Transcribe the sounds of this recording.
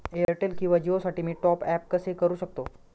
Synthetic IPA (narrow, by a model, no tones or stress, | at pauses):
eəɾʈelkĩw̃ʋad͡ʑiosaʈiːmiːʈɔpɛp̚kəsekəɾuːɕək̚t̪o